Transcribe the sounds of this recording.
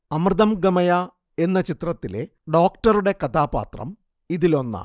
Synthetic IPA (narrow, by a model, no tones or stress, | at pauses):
ɐmrɨðɐmɡɐmɐja | e̞nːɐt͡ɕit̪rɐt̪ːile̞ | ɖo̞ːkʈɐɾuɽe̞kɐt̪aːpa̰ːt̪rɐ̰m | iðilo̞nːɐ̰